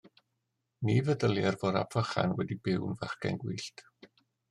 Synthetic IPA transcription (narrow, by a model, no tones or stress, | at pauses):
nivədəlˠjɛrvɔɾa̰pʰv̥əχa̰nwɛdibɪwnvaχɡ̥ɛ̰nɡwiːɬtʰ